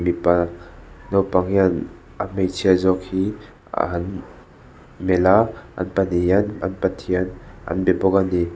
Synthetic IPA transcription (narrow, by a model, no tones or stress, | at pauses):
mipa | nɔwpaŋhian | amejt͡sʰiazɔk̚hi | a̰ɦan | melaa̰npanijana̰npatʰiana̰nbɛbɔkani